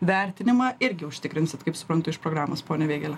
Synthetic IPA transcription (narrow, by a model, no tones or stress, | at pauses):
ʋʲæɾʲt̪ʲɪnʲɪmɐɪɾʲɡʲɪʊʃʲt̪ʲɪkɾʲɪnsʲɪt̪kɐɪpsʊ̥pɾɐnt̪ʊɪʃpɾoːɡɾaːmoːspoːnʲɛʋʲeːɡʲɛlʲɛ